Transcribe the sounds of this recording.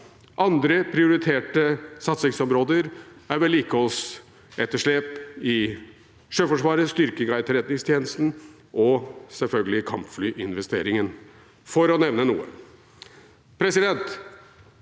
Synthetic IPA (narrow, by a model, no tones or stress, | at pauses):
ʔɑnd̪ɾəpʰɾɪʊɾɪt̪ʰeːʈəsɑt̪sɪŋsɔmɾoːd̪əɾæɾʋɛliːkəɔls | ɛt̪ːəʂɭeːpɪ | ʂøːfɔʂʋɑːɾəst̪ʏɾkəɡɾæɪt̪ʰəɾɛt̪nɪŋst̪ʰjeːnəst̪n̩ | ʔɔsɛlfœlɡəlɪkʰɑmpflyːʔɪnʋɛst̪ḛːɾɪŋən | fɔɾɔnɛʋnənuːə̰ | pʰɾɛsɪd̪ɛnt̪